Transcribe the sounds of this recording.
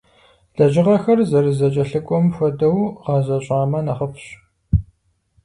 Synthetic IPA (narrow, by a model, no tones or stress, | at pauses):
ɮ̥ɐʒɪʁɐxɐrzɐrɨzɐt͡ʃʼɐɬɨkʷʼɔmxʷɔdɐwʁɑzɐɕʼɑːmɐnɐχəpʰɕ